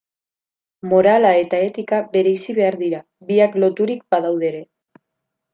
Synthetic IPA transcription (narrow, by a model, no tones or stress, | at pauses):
mo̞ɾalae̞t̪ae̞t̪ikabe̞ɾe̞isiβe̞aɾðiɾa | βiaklo̞t̪uɾik̚baðawðe̞ɾe̞